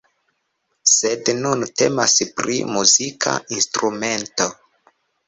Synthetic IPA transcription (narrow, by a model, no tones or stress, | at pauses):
se̞dnunte̞maspɾimuzikʰa̰instɾume̞nto̞